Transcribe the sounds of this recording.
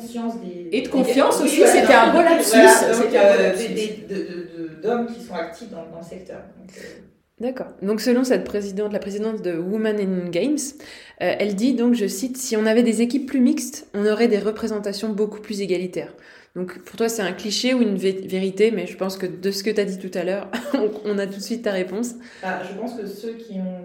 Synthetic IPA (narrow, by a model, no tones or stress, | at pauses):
fjɑ̃sd̪eed̪əkɔ̃fjɑ̃sosisset̪ɛɛ̃bolad̪əsỹkɛed̪əd̪əd̪əd̪ɔmkʲi̥sɔ̃ak̚t̪ʰifd̪ɑ̃d̪ɑ̃ləsɛkt̪œ̰ːʁd̪ɔ̃kə | d̪akɔːʁd̪ɔ̃ksəlɔ̃sɛt̪̚pχezid̪ɑ̃t̪lapχezid̪ɑ̃t̪d̪əwumanɛnnɡʲɛjms | øʔɛld̪id̪ɔ̃kʒəsit̪siɔ̃navɛd̪ezekʲipːlymikst̪ɔ̃nɔʁɛd̪eʁəpχezɑ̃t̪asjɔ̃boku̥plyzeɡalit̪ɛːʁ | d̪̥ɔ̃kpuʁt̪wasɛt̪ɛ̃kliʃeuynvveʁit̪emɛʒəpɑ̃skəd̪əsə̥kət̪yad̪it̪ut̪alœːʁɔ̃kɔ̃nat̪ut̪sɥit̪ːaʁepɔ̃s | baʒəpɑ̃skəsøkʲiɔ̃